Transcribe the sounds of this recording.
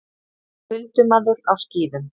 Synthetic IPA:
fʏlt̪ʏmaðʏɾawsciːðʏm

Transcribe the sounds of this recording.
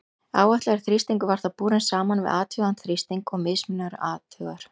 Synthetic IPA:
a̰ːwaht̪lɛɣɾɪ̥θɾist̪iŋkʏvaɾ̥θapuːɾɪnsaːmanvɪ̰ðaːt̪hʏɣant̪θɾist̪iŋkɔɣmɪðsmɪnʏɾaːt̪ʏɣaɾ̥

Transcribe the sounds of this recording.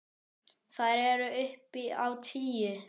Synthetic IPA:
θaðɾɛɾʏʏhpiawt̪ʰiːjʏ

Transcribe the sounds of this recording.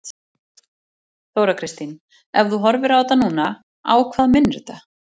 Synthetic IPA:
θowɾakʰɾɪst̪in | ɛvðuɦɔɾvɪɾaːwt̪anuːna | a̰ːwkʰvaːðmɪnɾʏt̪a

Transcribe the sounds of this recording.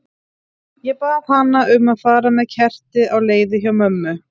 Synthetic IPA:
jɛpaːðhanːaʔʏmaðfaːɾamɛðcʰɛr̥t̪ɪawleːjðɪçawmœmːʏ

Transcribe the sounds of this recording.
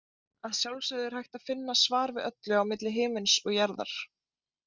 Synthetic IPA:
aðsjawlsaðɪɾ̥hajht̪aðfɪnːasvaːɾvɪðœt̪lʏawmɪt̪lɪɦɪːmɪnsɔɣjaɾða̰ɾ̥

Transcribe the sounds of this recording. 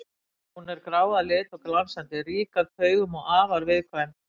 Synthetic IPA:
hunɛɾkɾaːwðalɪːt̪ɔklansant̪ɪriːkaðθœːɥɣʏmɔɣaːvaɾvɪðkʰvɛn

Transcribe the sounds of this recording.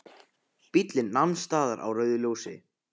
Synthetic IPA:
pit̪lɪnːanst̪aːðaɾa̰wrœːɥðʏljoːwsɪ

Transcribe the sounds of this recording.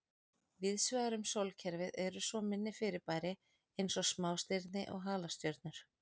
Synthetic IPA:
vɪðsvʏɣaɾʏmsowlcʰɛɾvɪðɛɾʏsvɔmɪnːɪfɪɾɪɾpaːjɾɪ | ejnsɔsmaːwst̪ɪɾt̪nɪ̰ʔɔ̰ɣɦaːlast̪jœɾt̪̚nʏɾ̥

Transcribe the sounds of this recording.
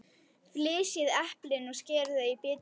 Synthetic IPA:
flɪːsjɪðɛhplɪnɔɣscɛːɾðaipɪːt̪

